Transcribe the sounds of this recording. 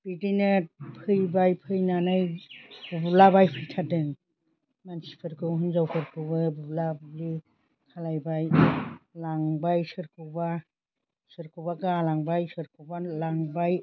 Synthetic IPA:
b̥idinɯpʰɯjbajpʰɯjnanajbublabajpʰɯjtʰadɯŋ | mansi̥pʰɯɾkʰɯɦɯnzawpʰɯɾkʰɯwbɯbublabɯbli | kʰalajbajlaŋbajsɯɾkʰɯwba | sɯɾkʰɯwbakalaŋbajsɯɾkʰɯwbalaŋbaj

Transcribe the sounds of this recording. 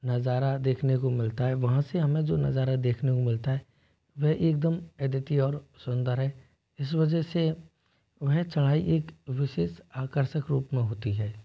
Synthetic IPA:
nɐzaːɾad̪eːkʰnekomɪlt̪aɦɛːʋɐɦãseɦɐmẽd͡ʒoːnɐ̰zaːɾad̪eːkʰnekomɪlt̪aɦɛː | ʋɛɦʔeːk̚d̪əmɛd̪ət̪iɔːɾsʊ̃nd̪əɾɦɛː | ɪs̬ʋɐd͡ʒəɦse | ʋɛɦt͡ʃɐɽ̃aːiʔeːkʋɪʃeːʃaːkəɾʃəkɾuːpmẽɦoːt̪iɦɛː

